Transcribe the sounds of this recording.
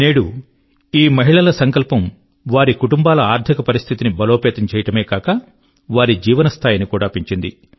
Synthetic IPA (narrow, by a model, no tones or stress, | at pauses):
neːɽu | iːmɐɦiɭɐlɐsɐŋkɐlpɐm | ʋaːɾikuʈumbaːlɐaːɾt̪ʰikɐpɐɾist̪ʰit̪inibɐloːpɛːt̪ɐmt͡ʃɛːjɐʈɐme̞ːkaːkɐ | ʋaːɾid͡ʒiːʋɐnɐst̪ʰaːjɐnikuːɽaːpiɲt͡ʃind̪i